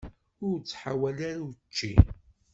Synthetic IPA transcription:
ʊɾt͡sːħawælaɾut͡ʃːi

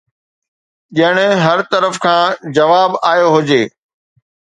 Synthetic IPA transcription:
ʄɐɪɽ̃ʊ̆ɦɐɾt̪ɐɾəfkʰãːd͡ʑɐʋaːbaːjoɦʊd͡ʑeː

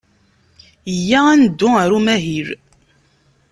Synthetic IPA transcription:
jːæænd̪ːʊæɾumæɦiɾ

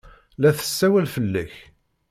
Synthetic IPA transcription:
læθə̥sːæwælfəlːæç

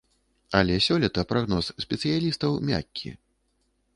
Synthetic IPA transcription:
ɐlʲɛsʲɔlʲɛt̪ɐpɾaɣnɔssʲpʲɛt̪sɨjalʲist̪ɐwmʲa̰kʲʰːḭ

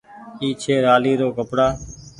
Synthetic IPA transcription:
iːt͡ʃʰeːɾaːliːɾoːkəpɽaː

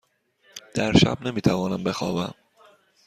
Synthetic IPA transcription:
d̪̥æɾʃæ̰bne̞miːt̪ʰævɒːnæmbe̞xɒ̰ːvæ̰m

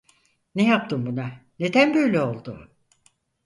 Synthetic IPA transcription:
nejap̚t̪ʰɯmbunane̞d̪ænbø̞jlʲeo̞lˠd̪ʊ

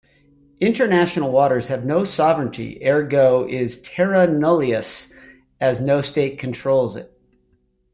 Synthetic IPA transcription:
ɪ̃ntə˞næʃn̩l̩ˠwɔɾə˞z̥ɨvnoʊsɑvɹɨ̃ntʰḭʔɛɹɡoʊʔɪz̥tʰɛɹɨnolˠiɨs | ɨznoʊsteɪt̚kʰn̩tʰɹ̥oʊlˠzɪ̰t̚

